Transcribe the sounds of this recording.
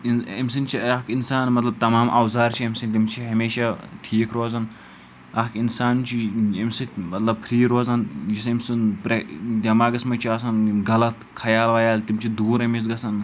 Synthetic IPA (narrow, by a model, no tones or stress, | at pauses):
inɐmsint͡ʃʰiɐkinsaːnmɐt̪lɐb̚t̪ɐmaːmʔɐ̰wzaːɾt͡ʃʰiɐmʲsinʲt̪imt͡ʃʰiɦɐmeːʃaʈʰiːkɾoːzɐn | ɐkinsaːnt͡ʃʰiimsɨmɐt̪lɐb̚pʰɾiːɾoːzɐnjisɐmsɨnpɾed̪ʲɐmaːɡɐsmɐt͡ʃʰiɐːs̬ɐnɡɐlɐt̪ | kʰɐjaːlʋɐjaːlt̪imt͡ʃʰid̪uːɾɐmis̬ɡɐsɐn